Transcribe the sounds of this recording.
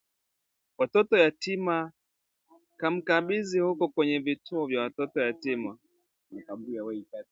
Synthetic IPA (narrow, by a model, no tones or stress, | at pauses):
watɔtɔjatima | kam̩kaɓizihukɔkwɛɲɛvituɔvjawatɔtɔjatima | au